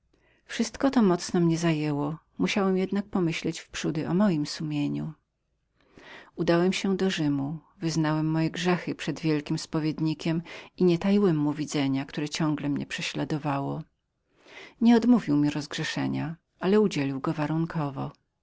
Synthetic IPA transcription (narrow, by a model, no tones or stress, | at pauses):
fʂɘst̪kɔt̪ɔmɔt̪snɔmɲɛzajɛwɔ | muɕawɛmjɛd̪nak̚pɔmɘɕlɛt͡ɕfpʂud̪ɘʔɔmɔjimsumʲjeɲṵ | ud̪awɛmɕɛd̪ɔʐɘmu | vɘznawɛmːɔjɛɡʐɛxɘpʂɛd̪vʲjɛlkʲimspɔvʲjed̪ɲikʲɛmiɲɛt̪ajiwɛmːuvʲid̪zɛɲakt̪uɾɛt͡ɕɔ̃ŋɡlɛmɲɛ̰pʂɛɕlad̪ɔvawɔ | ɲɛɔd̪muvʲiwmʲiɾɔzɡʐɛʂɛ̰ɲa̰ | ʔalɛud͡ʑelʲiwɡɔvaɾuŋkʰɔvɔ̰